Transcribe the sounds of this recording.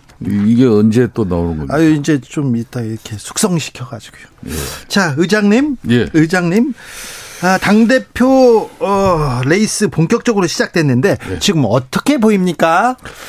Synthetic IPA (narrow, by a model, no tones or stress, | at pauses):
iɡe̞ʌnd͡ʑe̞t͈onaonɯŋɡʌ̰aind͡ʑe̞t͡ɕomit͈aiɾʌkʰe̞sʰu̥k̚s͈ʌŋɕʰi̥kʰjʌɡad͡ʑi̥ɡ̥ojojḛt͡ɕaɯd͡ʑaŋɲimjeɯd͡ʑaŋɲim | ʌtaŋde̞pʰjoʌɾe̞is͈ɯpoŋk͈jʌk̚t͡ɕ͈ʌɡɯɾoɕʰid͡ʑak̚t͈wenːɯnde̞t͡ɕiɡɯmʌt͈ʌkʰe̞boimɲik͈a